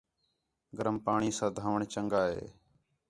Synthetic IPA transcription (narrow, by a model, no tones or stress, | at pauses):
ɡəɾəmpaːɳiːsãːd̪ʱaːʋəɳt͡ʃəŋɡaːɦḛː